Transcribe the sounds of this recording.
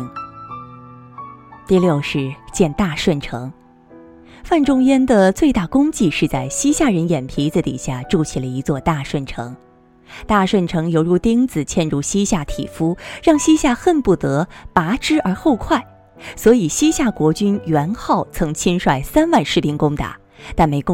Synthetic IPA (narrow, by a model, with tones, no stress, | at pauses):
t̪i˥˧ljo˥˧ʊʂɻ̩˥˩t͡ɕjɛ˥˧nt̪a˥˧ʂwə˥˩nʈ͡ʂʰɤ˧˥ŋ | fa˥˩nʈ͡ʂʊ˥ŋjjɛ˥nd̪ə˨t͡swe˥˧ɪt̪a˥˩kʊ˥ŋt͡ɕi˥˧ʂɻ̩˥˧t͡sa˥˩ɪɕi˥ɕja˥˩ɻə˧˥njɛ˨˩npʰi˧˥t͡s̩˧˩t̪ḭ˨˩ɕja˥˩ʈ͡ʂu˥˩t͡ɕʰi˨˩lə˩i˧˥t͡swɔ˥˧t̪a˥˧ʂwə˥˩nʈ͡ʂʰɤ̰˧˥ŋ | t̪a˥˧ʂwə˥˩nʈ͡ʂʰɤ˧˥ŋjo˧ʊɻu˥˩t̪i˥ŋt͡sɹ̩˨˩t͡ɕʰjɛ˥˧nɻu˥˩ɕi˥ɕja˥˩t̪ʰḭ˨˩fu˥ɻɑ˥˩ŋɕi˥ɕja˥˧xə˥˧npu˥˩t̪ɤ˧˥pa˧˥ʈ͡ʂɻ̩˥ə˞˧˥xo˥˧ʊkʰwa˥˩ɪ | swɔ˧˥i˨˩ɕi˥ɕja˥˩kwɔ˧˥t͡ɕy˥njɥɛ˧˥nxɑ˥˩ʊt͡sʰɤ˧˥ŋt͡ɕʰi˥nʂwa˥˩ɪsa˥nwa˥˧nʂɻ̩˥˩pi˥ŋkʊ˥ŋt̪a̰˨˩˦ | t̪a˥˩nme˧˥ɪkʊ˥